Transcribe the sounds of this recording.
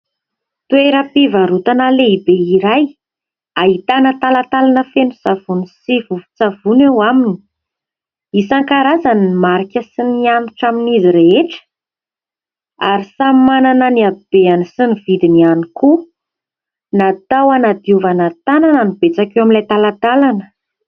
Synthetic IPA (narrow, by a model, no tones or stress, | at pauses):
t̪ueɾapivaɾut̪analeibeiɾaj | aɦit̪anət̪alat̪alanəfenusav̥unisivufu̥t͡savunewamini̥ | isaŋkaɾazaniimaɾikʲəsiniant̪uʈ͡ʂaminiziɾeeʈ͡ʂə̥ | aɾisamananəniab̥eanisinivid̪inianiku | nat̪awanad̪iuvanat̪ananənibet͡sakʲewaminlajt̪alat̪alanə̥